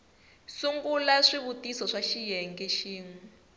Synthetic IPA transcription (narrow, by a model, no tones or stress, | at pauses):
suŋɡulaʂiβutisɔʂaʃijɛŋɡɛʃiːŋ̩